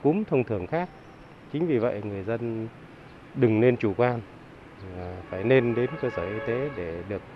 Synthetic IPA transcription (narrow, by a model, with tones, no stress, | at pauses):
ku˨˦mt̪ʰə˧wŋ͡mt̪ʰɨ˧˩əŋxaː˦˥k̚ | t͡ɕï˨˦ŋ̟vi˨˩və̰˧˨jŋɨ˨˩əjzə˧n | ɗɨ˨˩ŋne˧nt͡ɕu˧˩kwaː˧n˨˩ | faː˧˩jne˧nɗe˨˦nkəː˧səː˧˩ʔi˧t̪e˨˦ɗe˧˩ɗɨ˨˩ək̚